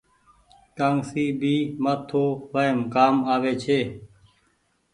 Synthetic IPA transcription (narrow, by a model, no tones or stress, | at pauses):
kaːŋsiːbʱiːmət̪ʰoːʋəemkaːmaːʋeːt͡ʃʰeː